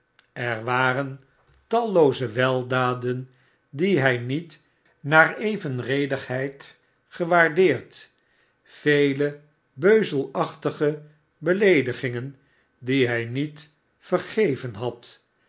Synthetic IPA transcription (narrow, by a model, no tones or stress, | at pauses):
ɛɹʋaːrən | tɑlˠowzəʋɛlˠdaːdən | diɦɛjnit | naːɹejvənrejdəχɦɛjt | χəʋaːɹdɪːɹt | fejlə | bøɥzəlˠɑχtəχə | bəlejdəχɪŋən | diɦɛjnit | fərχejvənɦɑt